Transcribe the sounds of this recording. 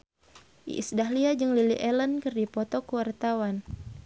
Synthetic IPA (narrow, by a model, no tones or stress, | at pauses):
ʔḭʔsdaɦliad͡ʒɨŋlilḭʔɛlənkɨrdipɔt̪ɔkuwart̪awan